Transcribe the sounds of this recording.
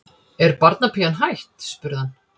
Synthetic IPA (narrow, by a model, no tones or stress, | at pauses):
ɛɾpaɾt̪napʰianɦajht̪spʏɾɪhan